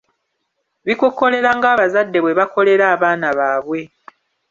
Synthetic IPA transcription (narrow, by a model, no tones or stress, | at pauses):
βikokːo̞le̞ɾaŋɡaːβazadːe̞βweβako̞le̞ɾaːβaːnaβaːβwe̞